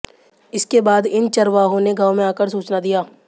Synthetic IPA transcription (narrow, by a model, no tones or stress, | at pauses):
ɪskebaːd̪ɪnt͡ʃɐɾʋaːɦõneɡaːʋmẽaːkəɾsuːt͡ʃnad̪ijaː